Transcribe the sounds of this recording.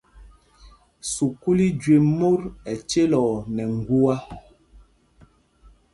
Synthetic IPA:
su˨ku˦li˦d͡ʒɥe˨mo˦ɾɛ˨t͡ʃe˦lɔ˨nɛ˨ŋ˨ɡu˦a˦

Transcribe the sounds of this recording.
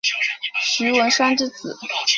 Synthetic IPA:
ɕy˧˥wə˧˥nʂwa˥nʈ͡ʂɻ̩˥˩t͡sɹ̩˨˩˦

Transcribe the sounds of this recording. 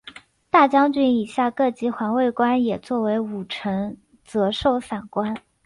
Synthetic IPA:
t̪a˥˩t͡ɕjɑ˥ŋt͡ɕy˥ni˨˩ɕja˥˧kɤ˥˧˩t͡ɕi˧˥xwa˧˥nwe˥˩ɪkwa˥njɛ˨˩t͡swɔ˥˩we˧˥ɪu˨˩ʈ͡ʂʰɤ˧˥ŋ | t͡sɤ˧˥ʂo˥˩ʊfa˨˩nkwa˥n

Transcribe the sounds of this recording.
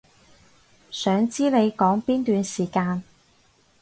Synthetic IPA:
sœː˨˥ŋt͡siː˥le˨˧jkɔː˨˥ŋpiː˥nt̪yː˨˧nsiː˨˩kaː˧n

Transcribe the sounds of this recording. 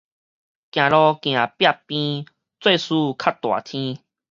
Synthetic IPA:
kj̃ã˨lɔ˧kj̃ã˨˩pja˥˧pːĩ˦ | t͡swe˥˧su˦kʰa˦t̪wa̰˨˩t̪ʰĩ˦

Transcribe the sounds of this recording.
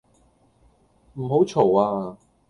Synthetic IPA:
m̩˨˩ɦo˨˥wt͡ʃʰo˨˩waː˧

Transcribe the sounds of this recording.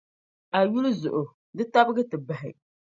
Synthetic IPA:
a˨ɥu˦lʊ˦zʊ̰˨ʔʊ˨ | dɨ˦ta˦bɨ˦ɡɨ˦tɨ˨ba˨ɦɪ̰˨

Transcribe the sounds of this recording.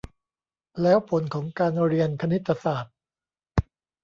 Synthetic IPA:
lɛː˦˥wpʰo˩˦nkʰɔː˩˦ŋkaː˧nɾi˧ənkʰa˧ni˦˥t̪ʰːa˧saː˨˩t̪̚

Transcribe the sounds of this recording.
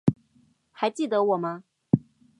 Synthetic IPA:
xa˨˧˦ɪt͡ɕi˥˩d̪ə˧˦wɔ˨˩mɐ˦

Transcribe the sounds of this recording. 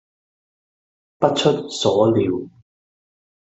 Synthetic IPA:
pɐ˥t̚t͡ʃʰɵ˥t̚sɔː˨˥liː˨˧w

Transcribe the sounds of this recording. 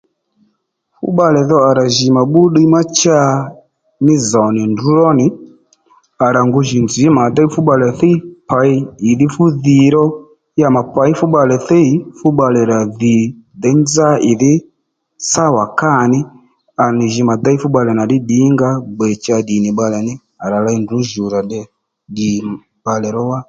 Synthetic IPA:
fṵ˦ɓa˦˧lɛ˨ðɔ˦a˨ɾa˨ʒi˨ma˨ɓu˦ɗi˦ma˦t͡ʃa˦ | ni˦zɔ˨ni˨ndu˦lɔ˦ni˨ | a˨ɾa˨ŋɡu˧ʒi˨nd͡zi˨˦ma˨d̪a˦i˦fu˦ɓa˨˧lɛ˨θi˦pa˨˦iː˦˨ði˦fu˦ði˧ɾɔ˦ | ja˦ma˨pa˨˦i˦fu˦ɓa˧lɛ˨θi˦i˨˦fu˦ɓa˧lɛ˨ɾa˨ði˨dɛ˦nza˦ʔi˨ði˦ | sa˦˨wa˨ka˦˨ni˦ | a˨ni˨ʒi˧ma˨d̪a˦i˦fu˦ɓa˧lɛ˨na˨di˦ɗi˨˦ŋɡa˦ɡ͡bɛ˨t͡ʃa˧ɗi˨ni˨ɓa˧lɛ˨ni˦ | a˨ɾa˨la˦i˦ndu˨˦ʒu˨ɾa˨ɗɛ˦ | di˨ | ɓa˨lɛ˨ɾɔ˦wa˦

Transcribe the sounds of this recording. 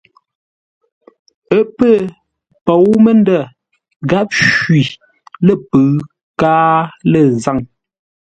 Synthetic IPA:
ə˦pə˦˨ | pɔ˨wmə˦n˦də˦˨ | ɡa˦p̚ʃwɥi˨ | lə˦˨pə˨ | kaː˦lə˨za˦˨ŋ

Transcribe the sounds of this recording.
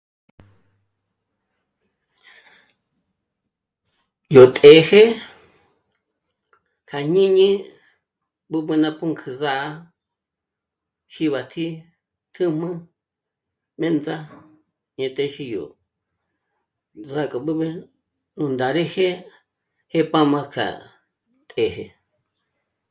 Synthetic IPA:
jo˨t̪ʼe˨˦he˦ | kʰa˨ɲĩ˦ɲĩ˦ | bɨ˧bɨ̃˧nã˧pʰu˦ŋkʰɨ˧za˦˧˦ | ʃi˧βa˨t̪ʰi˦ | t̪ʰɨ̃˦m̥ɨ̃˦ | mẽ˦nd͡za˦ | ɲẽ˧˨t̪ʼe˧˦ʃi˧jo̰˨ | za˧kʼa˨bɨ˦βẽ˧ | nũ˧nd̪a˨ɾe˦he˦ | he˦pã˦mã˧kʰa̰˨ | t̪ʼe˨ɦe˧

